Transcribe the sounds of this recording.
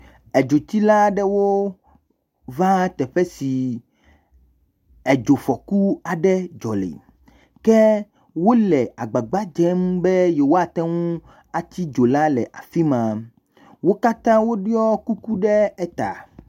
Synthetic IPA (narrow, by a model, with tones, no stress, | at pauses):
ɛ˨d͡ʒo˨t̪i˦la˦ɖɛ˦wo˦ | vã˦t̪ɛ˨ɸɛ˦si˨ | ɛ˨d͡ʒo˨fɔ˨ku˦a˨ɖɛ˦d͡ʒɔ˨lḛ˨ | kɛ˦ | wo˦lɛ˨a˨ɡ͡ba˨ɡ͡ba˦d͡ʒɛ˦mbɛ˦je˨wo˦a˨t̪ɛ˦ŋũ˦ | a˨t͡ɕ̪i˦d͡ʒo˨la˦lɛ˨ʔa̰˨fi˦mã˨ | wo˦ka˦t̪ã˦wo˦ɖi˦ɔ˦ku˦ku˦ɖɛ˦ɛ˦t̪a̰˨